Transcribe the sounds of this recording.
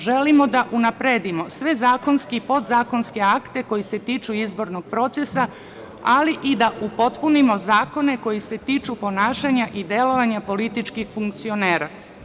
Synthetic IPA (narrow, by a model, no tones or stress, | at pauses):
ʒe̞limo̞d̪aʔunapɾed̪imo̞sʋe̞zaːko̞nskipo̞d̪zaːko̞nske̞akt̪e̞ko̞jise̞t̪iːt͡ʃuizbo̞ɾno̞ɡ̥̚pɾo̞t̪se̞sa | aliʔid̪aʔupo̞t̪punimo̞zaːko̞ne̞ko̞jise̞t̪iːt͡ʃupo̞naːʃaɲaʔid̪e̞lo̞ʋaɲapo̞lit̪it͡ʃkixfuŋkt̪sio̞ne̞ːɾa